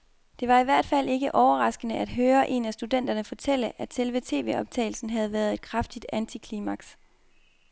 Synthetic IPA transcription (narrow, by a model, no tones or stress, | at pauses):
d̥e̝ʋɑ̈iʋæɐ̰d̥fæl̰ʔe̝ɡ̥əʔɒʊɐʁɑ̈sɡ̥ənəʔæd̥ɦøːɐʔe̝̰næsd̥ud̥en̰d̥ɐnəfɒ̽t͡sʰel̰əʔæ̥selʋət͡sʰe̝̰ːʋe̝ɒ̽b̥̚t͡sʰɛ̰ːɪl̩sn̩ɦæð̞̩ˠʋæɐð̞ˠe̝d̥̚kʰʁafd̥id̥ænt͡sʰikʰliːmɑɡ̥s